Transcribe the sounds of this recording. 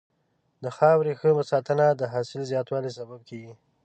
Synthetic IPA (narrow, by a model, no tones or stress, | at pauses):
d̪əxɑwɾexəməsɑt̪ənad̪əɦɑsɪlzjɑt̪wɑlis̬abab̚kʰeɡi